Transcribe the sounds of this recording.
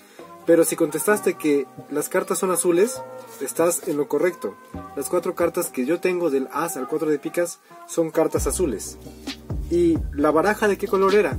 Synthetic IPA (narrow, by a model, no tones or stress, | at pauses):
pe̞ɾo̞siko̞nt̪e̞st̪ast̪e̞ke̞laskaɾt̪asːo̞nasule̞sest̪ase̞nlo̞ko̞re̞kt̪o̞ | laskwat̪ɾo̞kaɾt̪aske̞ʝo̞t̪e̞ŋɡo̞ðe̞lasalkwat̪ɾoðepikasː | o̞ŋkaɾt̪asasule̞s | ilaβaɾaxaðe̞ke̞ko̞lo̞ɾe̞ɾa